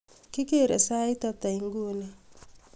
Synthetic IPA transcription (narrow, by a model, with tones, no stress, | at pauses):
ki˦ke˦˨ɾḛ˨sa˦i˦ta˦t̪a˨i˨ŋ˦ɡu˦˨ne˦